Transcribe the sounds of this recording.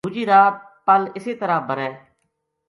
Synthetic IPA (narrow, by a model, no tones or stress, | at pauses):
uːd͡ʒiːɾaːt̪̚ | pəlɪseːt̪əɾaːbəɾɛː